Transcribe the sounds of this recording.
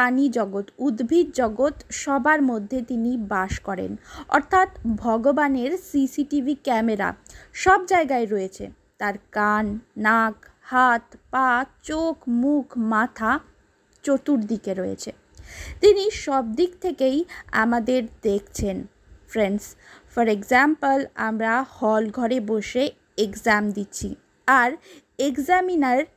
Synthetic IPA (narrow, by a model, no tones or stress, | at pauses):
panid͡ʑɔɡot̪ud̪bʱid̪̚d͡ʑɔɡot̪ʃɔbaɾmod̪ʱːet̪inibaʃkɔɾḛnɔ̰ɾt̪ʰat̪bʱɔɡobaneɾsisiʈibʱikɛmeɾa̰ʃɔbd͡ʑaeɡaeɾɔet͡ɕʰḛ | t̪aɾkanːakhat̪patt͡ɕokmukʰmat̪ʰa | t͡ɕot̪uɾd̪ikeɾɔḛt͡ɕʰe | t̪iniʃɔb̚d̪ikt̪ʰekeja̰mad̪eɾd̪ekʰt͡ɕʰen | fɾensfɔɾeɡzampəla̰mɾahɔlɡʱɔɾeboʃe | ekzamd̪iːɕʰḭ | aɾ | ekzaminaɾ